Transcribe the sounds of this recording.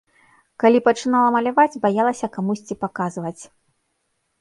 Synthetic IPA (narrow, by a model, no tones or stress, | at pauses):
kalʲipɐt͡ʂɨnalˠɐmɐlʲavad͡zʲbajalˠɐsʲɐkamusʲt͡sʲipakazvɐt͡sʲ